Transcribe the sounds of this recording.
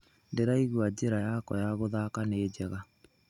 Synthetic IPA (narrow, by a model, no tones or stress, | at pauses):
ndeɾaiɣwad͡ʑeɾajakɔjaɣoðaːkaned͡ʑɛɣa